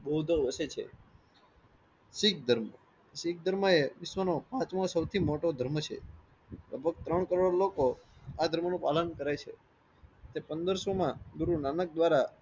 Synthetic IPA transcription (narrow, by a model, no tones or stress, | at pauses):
bod̪ʱoʋəset͡ʃʰḛ | sik̚d̪ʱəɾm | sik̚d̪ʱəɾməeʋɪʃʋənopãt͡ʃmãsəwt̪ʰimoʈod̪ʱəɾmət͡ʃʰḛ | ləɡ̚bʱəɡ̚t̪ɾəɳkəɾoɽlokoad̪ʱəɾmənũpalənkəɾajt͡ʃʰḛ | t̪epənd̪əɾsomãd̪uɾunanək̚d̪ʋaɾa